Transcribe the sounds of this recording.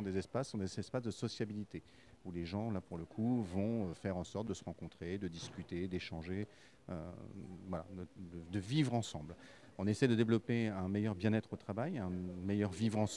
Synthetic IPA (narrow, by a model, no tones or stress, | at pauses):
ɔ̃d̪ezɛspasːɔ̃d̪eɛspasd̪əsɔsjabilit̪e | uleʒɑ̃lapuʁləkʰuvɔ̃øfɛʁɑ̃sɔʁt̪̚d̪əsə̥ʁɑ̃kɔ̃t̪χed̪əd̪iskʲyt̪ed̪eʃɑ̃ʒe | ø̰vwala̰əd̪əd̪əvivʁɑ̃sɑ̃bl | ɔ̃nesɛjd̪əd̪evlɔpeɛ̃mejœʁbjɛ̃nɛt̪χot̪χavajɛ̃mejœʁvivʁɑ̃s